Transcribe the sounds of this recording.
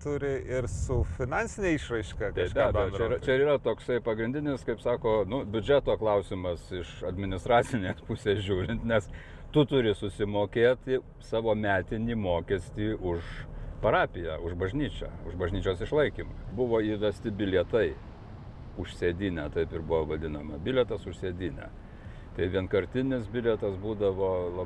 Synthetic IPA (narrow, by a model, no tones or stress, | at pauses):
t̪ʊɾʲɪɪrsʊfʲɪnɑnʲsʲɪnʲeːiʃrɐɪʃkɑk̪ɐɪʃk̪ʲɛbʲɛɛiɾɐt͡ʃʲɛɪɾiːɾɐt̪oːksɐɪpɐɡɾʲɪnʲd̪ʲɪnʲɪskɐɪpsɑːkoːnʊbʲʊd͡ʒʲɛt̪oːklˠɐʊsʲɪmɐsɪʃɐd̪ʲmʲɪnʲɪst̪ɾɑːt͡sʲɪnʲeːspʊsʲeːsʒʲuːɾʲɪnt̪nʲɛs | t̪ʊt̪ʊɾʲɪsʊsʲɪmoːkʲeːt̪ʲɪ | sɑːʋoːmʲæːt̪ʲɪnʲiːmoːkʲɛsʲt̪ʲiːʊʃpɐɾɑːpʲɪjæʊʒbɐʒʲnʲiːt͡ʃʲɛ̰ːʊʒbɐʒʲnʲiːt͡ʃʲoːsɪʃlˠɐɪkʲimʊbʊʋoːiːʋʲɛsʲt̪ʲɪbʲɪlʲɛt̪ɐɪ | ʊʃsʲeːd̪ʲiːnʲæt̪ɐɪpɪɾbʊʋoːʋɐd̪ʲɪnɐmɐbʲɪlʲɛt̪ɐsʊʃsʲeːd̪ʲiːnʲæ̰ː | t̪ɐɪʋʲiɛnkɐɾʲt̪ʲɪnʲɪsbʲɪlʲɛt̪ɐsbuːd̪ɐʋoːlˠɐ